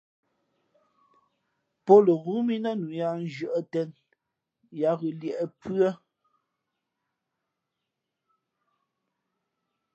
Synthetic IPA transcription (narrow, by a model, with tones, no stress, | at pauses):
po˦lə˨ɣu˨˦mi˦nə˦nu˨ja˦n˦˨d͡ʒə˨ʔə˦tɛ˦n | ja˦ɣʉ˨ljɛ˨ʔə˨pɰə˦